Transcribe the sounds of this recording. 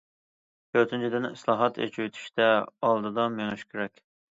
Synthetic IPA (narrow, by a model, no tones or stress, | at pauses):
k̪ʰøɾt̪ʰynt͡ʃʰid̪ɪnɪslˠɑːɦɑt̪ʰḛt͡ʃʰyjyt̪ʰy̥ʃt̪ɛɑlˠd̪ɨd̪ɑmeŋɪʃkʲʰyɾɛkʲ